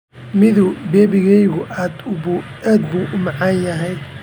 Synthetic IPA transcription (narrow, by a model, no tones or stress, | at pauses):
mɪðʊbɛːbɪɣɛjɣʊʔaːd̪ʊaːd̪buːʔʊmɐʕanjɐɦɛj